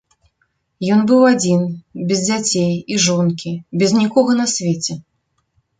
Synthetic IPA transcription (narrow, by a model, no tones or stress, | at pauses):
jɔnbɨwad͡zʲinbʲɛzd͡zʲat͡sʲejiʐɔnkʲibʲɛznʲikɔɣɐnɐsʲvʲet͡sʲɛ